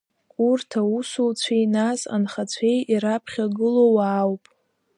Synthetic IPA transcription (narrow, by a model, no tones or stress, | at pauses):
kʼurtʰausult͡sʷʰejnasa̰nχat͡sʷʰejiɾapʰχʲaɡɨlowaːwpʼ